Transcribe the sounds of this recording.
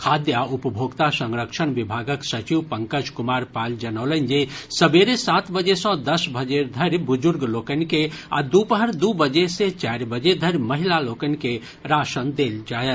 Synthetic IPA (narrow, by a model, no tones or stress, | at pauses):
kʰaːd̪jaʊpəbʱoːɡt̪asə̃ŋɾəkʃəɽ̃ʋibʱaːɡəksət͡ʃiwpə̃ŋkəd͡ʒkʊmaːɾpaːld͡ʒənəːlənd͡ʒesəbeɾesaːt̪bəd͡ʒesə̃d̪əsbʱəd͡ʒeɾd̪ʱəɾjbʊd͡ʒʊɾɡlokənkea̰d̪upəɦəɾd̪ubəd͡ʒeset͡ʃaɾbəd͡ʒed̪ʱəɾjməɦilaloːkənke | ɾaːʃənd̪eld͡ʒaːjət̪